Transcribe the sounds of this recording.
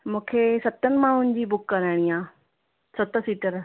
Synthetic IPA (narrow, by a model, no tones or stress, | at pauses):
mũːkʰesɐt̪ənɪ̆mãɦʊnɪ̃d͡ʑiːbʊkːɐɾaːɪɽ̃iãː | sɐt̪ə̆siːʈəɾ